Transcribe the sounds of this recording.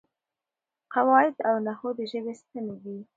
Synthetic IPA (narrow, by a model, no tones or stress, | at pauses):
qawɑjɪd̪awnahod̪əʒəbest̪əned̪i